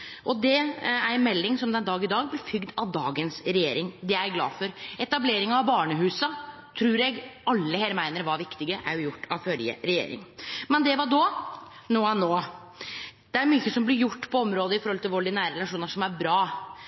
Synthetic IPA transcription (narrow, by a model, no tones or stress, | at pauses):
ʔɔd̪ɛæɾnmɛlːɪŋsɔmd̪ɛnd̪ɑːɡɪd̪ɑːɡblɛfʏɡd̪ɑʋd̪ɑːɡənsɾɛjḛːɾɪŋd̪ɛæɡlɑ̰ːfɔɾɛt̪ɑbleːɾɪŋɑɑʋbɑːɳəɦʉːsə | t̪ʰɾuːɾɛɡɑlːəheːɾmæɪnəɾʋɑɾʋɪkt̪ɪɡəʔæ̰ɾjʊjʊʈːɑʋfœljə̰ɾɛjḛːɾɪ̰ŋmɛnd̪ɛʋɑɖo | noːɛnoː | d̪̥ɛæɾmyːçəsɔmblɪɾjʊʈːpʰɔɔmɾoːd̪əɪfɔɾhɔlt̪ɪlʋʊɖɪnæːɾəɾɛlɑʂuːnəʂɔmæɾbɾɑː